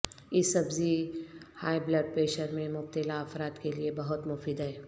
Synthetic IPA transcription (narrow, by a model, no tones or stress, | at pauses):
jɪsɐbzihaːjblɐɖ̚peːʃəɾmẽmʊb̚t̪ɪlaɐfɾaːt̪keliebɐɦʊt̪mʊfiːd̪ɦɛː